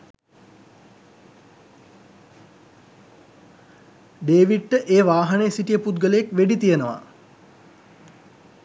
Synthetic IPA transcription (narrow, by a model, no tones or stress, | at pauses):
ɖeːʋiʈʈəʔeːʋaːɦɐnesiʈijəpud̪ɡələekʋeɖit̪ijənəʋa̰